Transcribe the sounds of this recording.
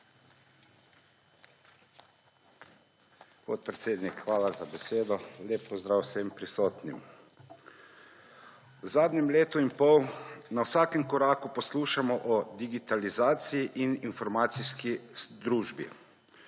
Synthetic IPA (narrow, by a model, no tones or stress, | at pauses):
pot̪̚pɾɛt̪seːd̪nikxʋaːlazabɛseːd̪ɔleːpːɔzd̪ɾaːwsempɾisoːt̪nḭm | wzaːd̪nɛmleːt̪uinpɔwnawsaːkɛmkɔɾaːkupɔsluːʃamɔʔɔd̪iɡit̪alizaːt̪sijiʔininfɔɾmaːt̪siskid̪ɾuːʒbḭ